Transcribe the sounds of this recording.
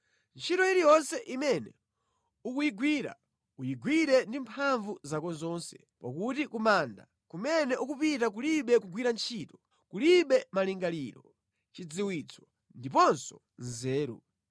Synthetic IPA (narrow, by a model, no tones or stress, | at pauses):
nt͡ʃʰitɔiɾijɔnsɛʔimɛnɛ | ukujiɡwiːɾa̰ | ujiɡwiɾɛndimpʰaɱvuzakɔzɔːnsɛ | pa̰kutikumanda̰ | kumɛnɛʔukupitak̬uliɓɛk̬uɡwiɾant͡ʃʰitɔ̥ | kuliɓɛmaliŋɡaliːɾɔ | t͡ʃid͡ziwit͡sʰɔ̥ | ndipɔnsɔ | nzɛːɾṵ